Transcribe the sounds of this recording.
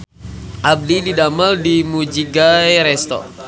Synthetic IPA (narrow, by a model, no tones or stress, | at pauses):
ʔab̚dididamaldimud͡ʒiɡajɾɛst̪ɔ̰